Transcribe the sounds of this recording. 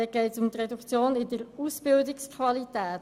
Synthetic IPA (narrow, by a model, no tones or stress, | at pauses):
ɛɡ̥ɛɪtsʊmt̪rɛdukt͡sjoːnɪdəɾusbɪldɪkskʰvɑlit̪æːt